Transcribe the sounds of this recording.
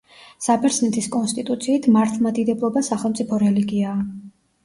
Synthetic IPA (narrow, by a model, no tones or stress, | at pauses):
sapʰɛɾsnɛt̪ʰiskʼɔnst̪ʼit̪ʼut̪sʰiːt̪ʰmaɾt̪ʰlˠmad̪id̪ɛblˠɔbasaχɛlˠmt̪sʼipʰɔɾɛliɡiaː